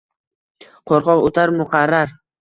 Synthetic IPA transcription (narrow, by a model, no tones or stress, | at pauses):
qʰoɾqɒqot̪ʰaɾmʊqʰɑɾːaɾ